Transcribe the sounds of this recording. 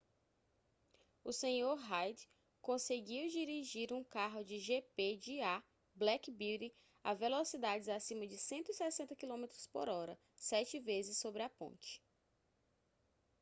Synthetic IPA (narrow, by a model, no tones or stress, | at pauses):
ʊsẽɲoɾɦajd̪ | kõseɡiwd͡ʒiɾiʒiɾũkaɦʊd͡ʒɪʒeped͡ʒɪa | blɛkbiɾi | a̰velosid̪ad͡ʒɪzasĩmɐd͡ʒɪsẽnt̪ʊisɛsẽnt̪ɐkilõmet̪ɾʊspo̰ɾɔɾɐ | sɛt͡ʃɪvezɪsobɾɪapõ̰nt͡ʃɪ̥